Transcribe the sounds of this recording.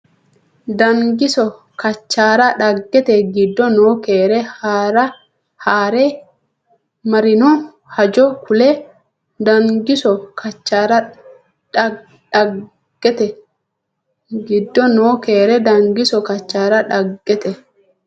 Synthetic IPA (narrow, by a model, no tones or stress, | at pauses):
d̪ɐŋɡɪsɔ | kɐt͡ʃːaːɾɐᶑɐɡːɛt̪ɛɡɪd̪ːɔnoːkeːɾɛhaɾɐ | haːɾɛ | mɐɾɪnɔ | hɐd͡ʒɔkʊlɛ | d̪ɐŋɡɪsɔkʰɐt͡ʃːaːɾɐ | ᶑɐ | ɡ̥ːɛt̪ɛ | ɡɪd̪ːɔnoːkeːɾɛd̪ɐŋɡɪsɔkɐt͡ʃːaːɾɐᶑɐɡːɛt̪ɛ